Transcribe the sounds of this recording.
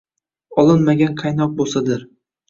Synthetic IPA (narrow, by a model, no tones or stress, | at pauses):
ɒlˠɪnmaɡʲanqʰɑjnɒq̚bolˠsad̪ɪɾ